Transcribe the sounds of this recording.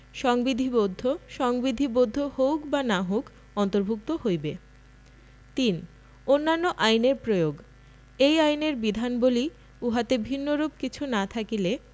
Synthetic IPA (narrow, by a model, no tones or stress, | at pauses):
ʃɔŋbid̪ʱibod̪ʱːoʃɔŋbid̪ʱibod̪ʱːohowkbanaɦok | ɔnt̪oɾbʱuk̚t̪ohojbe | t̪in | onːanːoʔajneɾpɾojoɡ | ejajneɾbid̪ʱanboli | uɦat̪ebʱinːoɾub̚kit͡ɕʰunat̪ʰakile